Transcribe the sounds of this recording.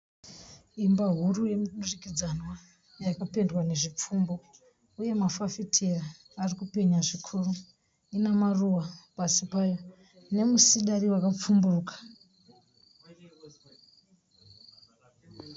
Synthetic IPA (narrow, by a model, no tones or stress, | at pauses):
imbaɦuruje̞miɗurikid͡zanwa | jakape̞ndwane̞ʐip͡fumbo̞ | uje̞mafafitʰiraː | rikupe̞ɲaʐikʰuru | inamaruwapasipajo | ne̞musiɗariwakap͡fumbuːkḁ